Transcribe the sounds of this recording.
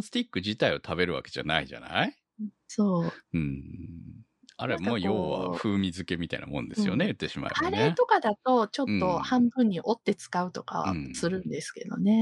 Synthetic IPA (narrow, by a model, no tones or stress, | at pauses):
sɨ̥t̪ʲikːɯ̟ʑit̪aiot̪ʰabe̞ɾɯ̟βa̰ke̞ʑ̥a̰naiʑa̰na̰i | soːɯ̃ɴ | aɾemajoːβa̰ɸɯ̟ːmʲizɨke̞mʲit̪aḭnamõ̞̰nd̪e̞sɨjo̞̰neɯ̟t̪ːe̞ɕima̰ḛaɾeet̪o̞kad̪at̪o̞t͡ɕo̞t̪ːo̞hãmbɯ̟̃ɲ̟ːiʔo̞t̪ːe̞t͡sɨ̥kaɯ̟t̪o̞ka̰βa̰sɨɾɯ̟̃nd̪esɨ̥ke̞̰d̪o̞̰ne̞